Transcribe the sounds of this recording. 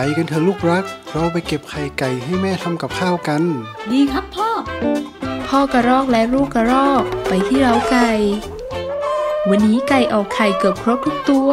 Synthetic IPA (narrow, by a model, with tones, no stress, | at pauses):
a˨˩jka˧˨nt̪ʰɯ˧˦luː˥˩k̚ɾa˦˥k̚ɾɔ˧˥wp̬a˧˩jke˨˩p̚kʰa˨˩jka˨˩jɦa˧˥˩jmɛː˥˩t̪ʰa˧mka˨˩p̚kʰaː˥˩wka˧ndiː˧kʰa˦˥pʰːɔː˥˩ | pʰɔː˧˩ka˧˩ɾɔː˥˩k̚lɛ˦˥ɾuː˥˩kːa˧ɾɔː˥˩k̚pa˨jt̪ʰiː˥˩ɾa˧˩wka˧˩j | wa˧nːiː˦˥ka˨˩jʔɔː˨˩kʰa˨˩jkɤː˨˩p̚kʰɾo˦˥t̪t̪ʰu˦˥k̚t̪u˧ə